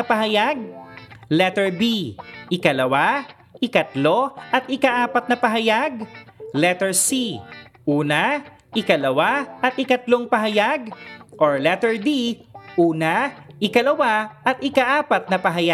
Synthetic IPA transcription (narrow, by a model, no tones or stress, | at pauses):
ɐpɐɦɐjaɡ̚lɛt̪ɛɹbiʔɪkɐlɐwa | ʔɪkɐt̪lo̞ʔɐt̪̚ʔɪkaʔaːpɐt̪̚nɐpɐɦɐjaɡlɛt̪ɛɹsiʔuːna | ʔɪkɐlɐwaʔɐt̪̚ɪkɐt̪lo̞ŋpɐɦɐjaɡʔoɹlɛt̪ɛɹd̪iʔuːnaʔɪkɐlɐwaʔɐt̪ʔɪkaʔaːpɐt̪̚nɐpɐɦɐja